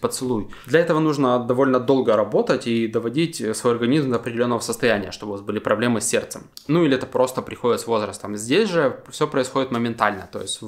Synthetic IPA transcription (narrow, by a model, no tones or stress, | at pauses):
pət̪sɨlˠujd̪lʲɐɛt̪əvənuʐnəd̪ɐvo̞lʲnəd̪o̞lˠɡəɾɐbo̞t̪ətʲid̪əvɐdʲitʲsvo̞jɐrɡɐnʲizmd̪əɐpɾʲɪdʲɪlʲo̞nːəvəsəst̪ɐjænʲɪjə̰ʂt̪obʊvazbɨlʲipɾɐblʲe̞mɨsʲːe̞rt̪sɨmnuilʲɪɛt̪əpɾo̞st̪əpɾʲɪxo̞dʲɪt̪svo̞zɾəst̪əmzʲdʲesʲʐɨfsʲopɾəɪsxodɪt̪məmʲɪnt̪alʲnə̰t̪o̞̰jɪsʲtʲv